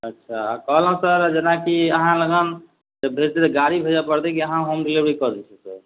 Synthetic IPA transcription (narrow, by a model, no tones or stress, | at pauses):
ətːʃʰakəɦlɦũsəɾd͡ʒenakiəɦãləɡən | d͡ʒebbʱeɾt̪et̪ɡaɾibʱed͡ʒapəɾt̪ɛkiəɦãɦomɾilebɾikɔd̪ɛt͡ʃʰɛsə̰ɾ